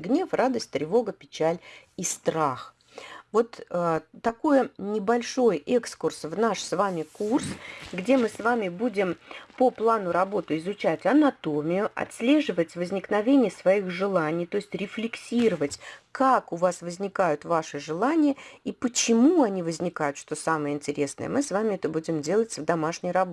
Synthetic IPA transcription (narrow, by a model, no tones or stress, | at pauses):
ɡnʲe̞frad̪əsʲtʲt̪ɾʲɪvo̞ɡəpʲɪt͡ɕælʲ | ist̪ɾax | vo̞t̪əːɐko̞jənʲɪbɐlʲʂo̞jʔɛkskʊrsvnaʂsvamʲɪkursɡdʲe̞mɨsvamʲɪbudʲɪmpoplˠanʊɾɐbo̞t̪ɨɪzʊt͡ɕætʲɐnɐt̪o̞mʲɪjʊʔɐ̰t̪sʲlʲe̞ʐɨvətʲvəzʲnʲɪknɐvʲenʲɪjəsvɐixʐɨlˠanʲɪjt̪o̞ɪsʲtʲɾʲɪflʲɪksʲiɾəvətʲkakʊvasvəzʲnʲɪkajʊt̪vaʂɨʐɨlˠanʲɪjəipət͡ɕɪmuɐnʲivəzʲnʲɪkajʊt̪ʂt̪o̞samɨjəɪnʲtʲɪɾʲe̞snə̰jə̰mɨsvamʲɪɛt̪əbudʲɪmdʲelˠətʲvd̪ɐmaʂnʲɪjɾɐbo